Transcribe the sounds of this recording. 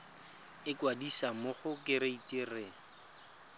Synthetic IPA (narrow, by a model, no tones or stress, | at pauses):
ɪkwadisamʊχʊkɪɾɪitʼereːŋ̩